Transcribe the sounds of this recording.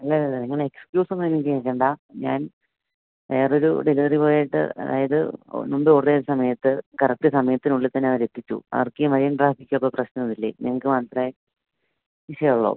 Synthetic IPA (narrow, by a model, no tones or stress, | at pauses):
ɐlːɐlːɐlːɐniŋːɐɭeekskjuːsɐnːɐɐnːiŋkieːkːeːɳɖaːɲaːn | ʋeːro̞ɾṵɖiliʋɐripo̞ːjaːjiʈːɨ̰ɐ̰ða̰ːjɐðɨ̰numɖɨoːresɐmɐjɐt̪ːɨkɐrɐk̚ʈɨsɐmɐjɐt̪ːinuɭːit̪ːɐnːeɐʋɐɾe̞t̪ːit͡ɕːṵɐ̰ʋɐrkːemɐɾijɐɳɖraːbikʲːɐpːoprɐɕnɐnɐðilːḛniŋːɐɭkːɨmaːnt̪rɐe | ʋiʂɐjɐuɭːo̰